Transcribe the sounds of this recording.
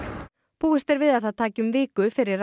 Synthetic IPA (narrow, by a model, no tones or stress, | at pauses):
puːɛst̪ɛɾvɪðaðθaðt̪ʰaːcʏmvɪːkʏfɪɾɪɾ